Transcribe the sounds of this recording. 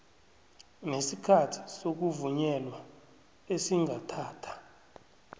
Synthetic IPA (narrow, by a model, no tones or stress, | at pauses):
nesikʰatʰi̥sok̬uvuɲɛlwa | esiŋʱatʰaːtʰḁ